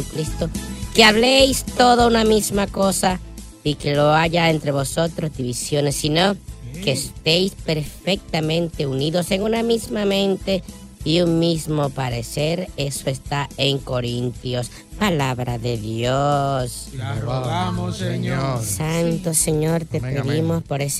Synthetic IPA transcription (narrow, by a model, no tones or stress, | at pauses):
ukɾist̪okeaβlejst̪oðounamizmako̞sa | ikeloaʝaent̪ɾeβo̞sot̪ɾozdiβisjo̞nesːinokeːst̪ejspeɾfek̚t̪amẽ̞nt̪euniðo̞seŋunamizmamẽ̞nt̪e | iuŋmizmopaɾeseɾesoest̪aeŋkoɾint̪jo̞s | palaβɾaðeðjos | sant̪oseɲoɾt̪epeðimospoɾes